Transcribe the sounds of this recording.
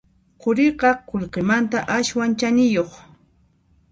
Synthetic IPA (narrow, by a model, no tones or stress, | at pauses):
qʊɾɪqɑqoʎqemant̪aʔaʃwant͡ʃanɪjoχ